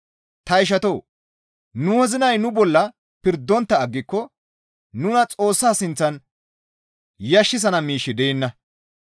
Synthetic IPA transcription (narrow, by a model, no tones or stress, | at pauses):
t̪ɐɪʃ̬ɐt̪o̞ː | nʊhɛzɪnɐjnʊbɔlːɐ | pɪɾd̪ːɔnt̪ːɐːɡːɪkːɔ | nʊnɐt͡sʼo̞ːsːaːsɪnt͡sːɐn | jɐʃːɪs̬ɐnɐmiːʃːɪd̪ɛɛnːɐ